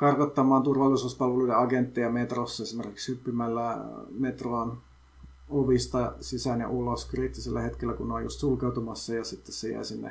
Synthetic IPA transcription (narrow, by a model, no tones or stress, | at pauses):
kɑrkot̪ːɑmɑːnt̪urʋɑlːisuːspɑlʋeluideɑɡent̪ːejɑmet̪rosːɑesimerkikshypːymælːæmet̪roːn | oʋist̪ɑsisænjɑ̰ʔuloskriːt̪ːiselːæhet̪kelːækuneojṵst̪sulkeut̪umɑsːɑjɑsit̪ːessejæ̰isinːḛ